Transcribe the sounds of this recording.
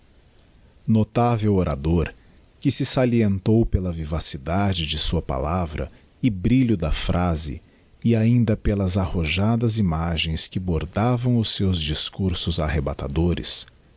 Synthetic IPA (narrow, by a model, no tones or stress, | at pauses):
not̪avewoɾa̰d̪oɾ | kɪsɪsaliẽnt̪owpelɐvivasid̪ad͡ʒɪd͡ʒɪsuɐpa̰lavɾɐ̰ | ɪbɾiʎʊd̪ɐfɾʔazɪ̰ | ɪaĩnd̪ɐpelɐzahoʒad̪ɐzimaʒẽj̃skɪboɾd̪avɐ̃w̃ʊsːewzd͡ʒiskuɾsʊzaɦebat̪a̰d̪oɾɪ̰s